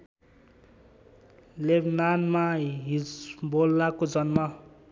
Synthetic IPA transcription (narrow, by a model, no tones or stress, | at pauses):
lebnanmaɦisbolːakod͡zʌnma